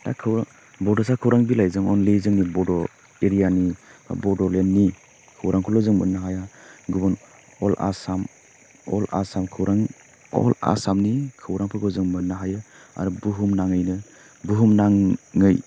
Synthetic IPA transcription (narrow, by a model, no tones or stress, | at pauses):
ta̰kʰɯwɾa | bɔdɔsʰakʰɯwɾʔaŋbilajzɯŋɔnlizɯŋnibɔdɔ | eɾijanibɔdɔlenːi | kʰɯwɾaŋpʰɔlɔzɯŋmɯnːaɦajaɡubɔn | ɔla̰sam | ɔ̰la̰samkʰɯwɾʔaŋ | ɔ̰la̰samnikʰɯwɾaŋpʰɯɡɯwzɯŋmɯnaɦajɯ | a̰ɾubuɦumnaŋɯjnɯ | buɦumnaŋːɯj